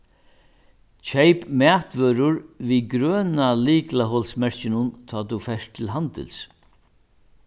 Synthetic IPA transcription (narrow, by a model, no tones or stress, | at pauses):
t͡ʃʰɛjpmæːt̪ʋœːɾʊɾʋiɡɾœːnaliːklaɦɔlsmɛɹ̥cɪnʊnt̪ʰɑːt̪ufɛʂʈt̪ʰɪlɦant̪ɪ̰ls